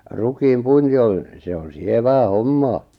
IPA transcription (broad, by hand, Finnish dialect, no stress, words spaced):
rukiːm puinti on̞ se on sieʋæː homːɑː